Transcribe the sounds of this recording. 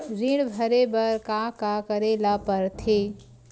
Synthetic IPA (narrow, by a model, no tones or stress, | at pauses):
ɾiɽbʱəɾebəɾkakakəɾelapəɾt̪ʰeː